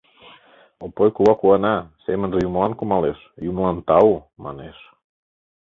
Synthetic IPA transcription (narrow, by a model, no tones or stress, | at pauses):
opojkuβɑkuɑnɑsemənʒejumlɑnkumɑleʃ | jumlɑnt̪ɑumɑ̰neʃ